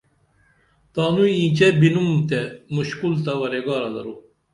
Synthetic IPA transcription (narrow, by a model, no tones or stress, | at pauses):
t̪aːnuiĩːt͡ɕɛbinumt̪ɛmuɕkult̪ɐʋɐɾeɡɑːɾɐd̪ɐ̰ɾu